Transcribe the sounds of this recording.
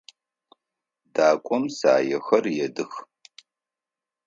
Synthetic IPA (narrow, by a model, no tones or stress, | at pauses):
daːkʷʼɔmsa̰ːjɛxɐrjɛdɨx